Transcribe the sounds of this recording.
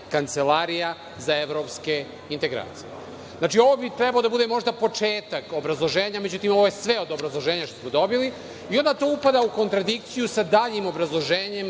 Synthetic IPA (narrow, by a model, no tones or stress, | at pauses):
kant̪se̞laɾija | zaeʋɾo̞ːpske̞ | int̪eɡɾa̰ːt̪sijḛ | znaːt͡ʃio̞ʋobit̪ɾɛbalo̞d̪abud̪emo̞ʒd̪apo̞t͡ʂe̞ːt̪ako̞bɾazlˠo̞ʒe̞ːɲame̞d͡ʑut̪imo̞ʋo̞jesʋe̞o̞d̪obɾazlˠo̞ʒeːɲaʃt̪osmod̪o̞bili | io̞nd̪at̪o̞upad̪auko̞nt̪ɾad̪ikt̪sijusad̪aːʎimo̞bɾazlˠo̞ʒeːɲe̞m